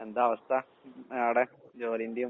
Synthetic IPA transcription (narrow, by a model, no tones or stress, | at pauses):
end̪aːʋɐst̪ʰɐ | aːɽed͡ʑoːɾind̪ju